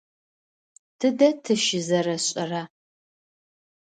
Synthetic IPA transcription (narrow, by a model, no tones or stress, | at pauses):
tʰɨdɐtʰɨʃɪzɐɾɐɕʼɐraː